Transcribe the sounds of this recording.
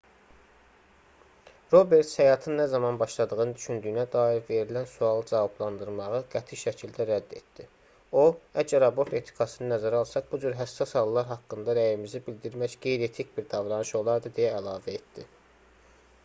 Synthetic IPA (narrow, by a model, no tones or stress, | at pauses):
ɾo̞be̞ɾt̪shæjɑːt̪ʰɯnːæzɑmɑnbɑʃlˠɑd̪ɯɣɯnɯnd̪yʃynd̪yjnæd̪ɑːiɾve̞ɾilænsuɑlˠɯd͡ʒɑvɑblˠɑnd̪ɯɾmɑʁɯɡæt̪ʰiʃæcʰild̪æɾæd̪ːe̞̰t̪̚d̪̥i | oæd͡ʒæɾɑbo̞ɾt̪e̞t̪ʰi̥kʰɑsɯnɯnæzæɾɑlˠsɑχbud͡ʒyɾɦæsːɑshɑlˠlːˠɑɾɦɑkːɯnd̪ɑɾæjimizibild̪iɾmæçɡejɾe̞t̪ʰicbiɾd̪ɑvɾɑnɯʃo̞lˠɑɾd̪ɯd̪ejæːlɑːvæe̞t̪d̪i